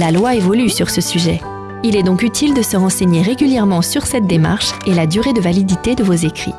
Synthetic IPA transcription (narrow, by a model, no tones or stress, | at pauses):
lalwaevɔlysyʁsəsyʒɛ̰ | ilɛd̪ɔ̃kyt̪ʰild̪əsəʁɑ̃seɲeʁeɡʲyljɛʁmɑ̃syʁsɛt̪̚d̪ema̰ʁʃelad̪yʁed̪əvalid̪it̪ed̪əvozekχḭ